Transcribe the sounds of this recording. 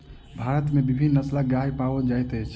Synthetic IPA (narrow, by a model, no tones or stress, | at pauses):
bʱaɾət̪mebibʱinːəslaɡaipaʋəd͡ʒajt̪əjt͡ʃʰ